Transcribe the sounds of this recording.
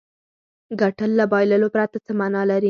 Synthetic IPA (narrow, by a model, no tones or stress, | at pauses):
ɡaʈəlːabɑjləlopɾat̪at͡səmanɑlaɾi